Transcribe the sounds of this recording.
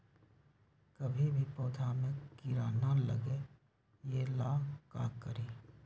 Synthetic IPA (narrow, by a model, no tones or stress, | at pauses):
kəbʱibʱipoːd̪ʰʱamẽkɪɾaːnalə̰ɡe | jeːlaːka̰ːkːəɾiː